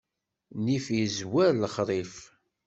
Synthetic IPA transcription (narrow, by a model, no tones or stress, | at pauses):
nifjəzwæɾlːəχɾˤif